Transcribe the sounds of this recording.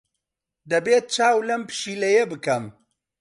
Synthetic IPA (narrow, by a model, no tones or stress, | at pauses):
d̪ɐbeːt̪̚t͡ʃaːwlɐmpɨ̥ʃiːlɐjebɨkɐm